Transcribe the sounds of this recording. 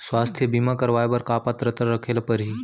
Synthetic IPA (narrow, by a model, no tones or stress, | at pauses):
swaːst̪ʰjəbimakɐɾʋaːebɐɾkaːpat̪ɾət̪ɾəɾɐkʰeːlpəɾɦiː